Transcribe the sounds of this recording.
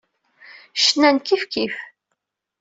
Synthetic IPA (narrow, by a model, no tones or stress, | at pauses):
ʃnænkifkif